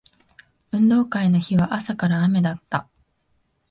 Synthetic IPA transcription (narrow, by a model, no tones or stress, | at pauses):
ɯ̟̃nd̪o̞ːkaino̞çiβaʔasakaɾaːme̞d̪at̪ːa